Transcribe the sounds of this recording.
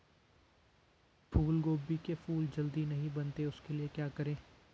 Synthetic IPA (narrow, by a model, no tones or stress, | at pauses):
pʰuːlɡoːbikepʰuːld͡ʒɐld̪inɐɦĩbɐnt̪eʊskeliekjaːkɐɾẽː